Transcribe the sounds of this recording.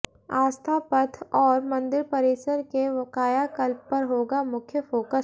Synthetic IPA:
aːst̪ʰapət̪ʰɔːɾmɐ̃nd̪ɪɾpɐɾeːsəɾkeʋɐkaːjakɐlb̚pɐɾɦoːɡamʊkʰjəfoːkə

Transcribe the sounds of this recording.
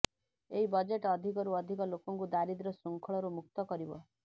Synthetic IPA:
eɦibɔd͡ʒeʈɔd̪ʱikɔɾuɔd̪ʱikɔlokɔŋkud̪aɾid̪ɾɔsɔŋkʰɔɭɔɾumuk̚t̪ɔkɔɾibɔ̰

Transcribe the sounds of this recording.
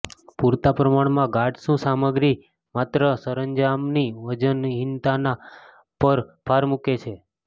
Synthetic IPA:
puɾt̪apɾəmaɳmãɡaʈʃũsaməɡɾi | mat̪ɾəsəɾəɲd͡ʒamniʋəd͡ʒənɦɪnt̪ana | pəɾpʰaɾmuket͡ʃʰe

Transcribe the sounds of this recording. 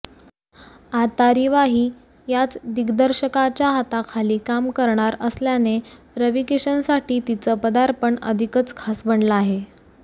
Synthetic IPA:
at̪aɾiʋaɦiː | jat͡sd̪iɡd̪əɾɕəkat͡ɕjaɦat̪akʰaliːkamkəɾɳaɾəsljane | ɾəʋikeɕənsaʈiːt̪it͡səpəd̪aɾpəɳə̰d̪ʱikət͡skʰasbəɳləaɦe

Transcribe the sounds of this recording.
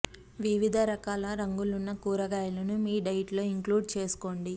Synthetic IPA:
ʋiʋid̪ʱɐɾɐkaːlɐɾɐŋɡulunːɐkuːɾɐɡaːjɐlɐnumiːɖɐjʈlo̞ːiŋkluːɖt͡ʃe̞ːsu̥ko̞ːɳɖi

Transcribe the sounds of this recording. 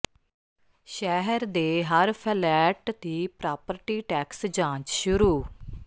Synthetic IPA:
ʃɛːɦəɾd̪eːɦəɾpʰəlɛːʈt̪iːpɾaːpəɾʈiːʈɛːksd͡ʒãːt͡ʃʃʊɾuː

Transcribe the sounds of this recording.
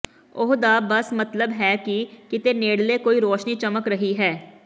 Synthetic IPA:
ʊɦd̪aːbəsmət̪ləbɦɛːkɪkɪt̪eːneːɽleːkoːiːɾoːʃniːt͡ʃəməkɾəɦiːɦɛː

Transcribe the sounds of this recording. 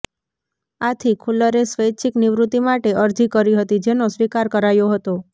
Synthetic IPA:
at̪ʰikʰuləɾesʋəjt͡ʃʰikniʋɾut̪imaʈeʔəɾd͡ʒikəɾiɦət̪id͡ʒenosʋikaɾkəɾajoɦət̪o

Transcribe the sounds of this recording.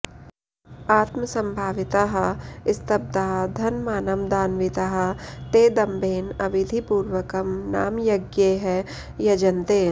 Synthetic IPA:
aːt̪məsɐ̃mbʱaːʋɪt̪aɦɐɪst̪ɐb̚d̪aːɦd̪ʱɐnmaːnɐmd̪aːnʋɪt̪aɦɐ̆t̪eːd̪ɐmbʱeːnɐʋɪd̪ʱipuːɾʋəkɐmna̰ːmjɐɡjeɦɛ | jɐd͡ʒɐnt̪eː

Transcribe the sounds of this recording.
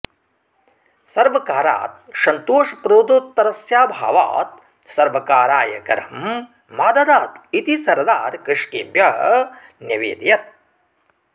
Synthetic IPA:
sɐɾʋɐkaːɾa̰ːt̪̚ʃɐnt̪oːʂɐpɾoːd̪oːt̪ːɐɾɐsjaːbʱa̰ːʋa̰ːt̪̚ | sɐɾʋɐkaːɾaːjɐ̰kɐ̰ɾɐm | maːd̪ɐd̪aːt̪it̪isɐɾd̪aːɾkɪʂkiːbjɐ | njɐʋḛːd̪jɐt̪̚

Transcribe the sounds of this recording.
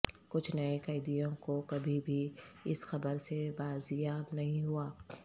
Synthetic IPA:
kʊt͡ʃʰnɐekɐɪd̪ijõkokɐbʱibʱiɪsxɐbəɾsebaːzjaːbnɐɦĩɦuaː

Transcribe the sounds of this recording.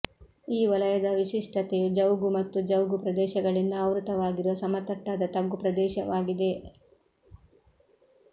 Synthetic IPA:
iːʋɐlɐjɐd̪ɐʋiʃiʂʈʰɐt̪ejud͡ʒɐwɡumɐt̪ːud͡ʒɐwɡupɾɐd̪ɛːʃɐɡɐɭind̪ɐːʋɾut̪ɐʋaːɡiɾuʋɐsɐmɐt̪ɐʈːaːd̪ɐt̪ɐɡːupɾɐd̪ɛːʃɐʋaːɡid̪e̞

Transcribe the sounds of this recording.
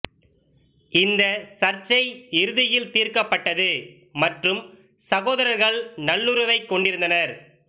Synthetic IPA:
ɪnd̪ɐsɐɾt͡ʃɐɪɪɾɯðɪjɪlt̪iːɾkɐpːɐʈːɐðɯ | mɐʈrɯm | sɐɣoːðɐɾɐɾɣɐɭnɐɭːɯɾɯʋɐɪkːɔɳɖɪɾɯnd̪ɐnɐɾ

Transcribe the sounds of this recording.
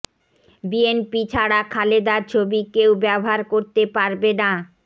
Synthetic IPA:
bienpit͡ɕʰaɽakʰaled̪aɾt͡ɕʰobikewbɛboɦaɾkoɾt̪epaɾbena

